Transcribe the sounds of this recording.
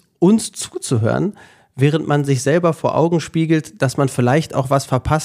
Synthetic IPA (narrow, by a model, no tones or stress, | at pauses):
ʔʊnst͡suːt͡suɦø̰ːʁən | vɛːʁ̞əntmanzɪçz̥ɛlbɐfoːɐʔa̰ʊɡŋ̩ʃpiːɡl̩td̥asmanfɪlaɪçta̰ʊxv̥asfɛɐpʰas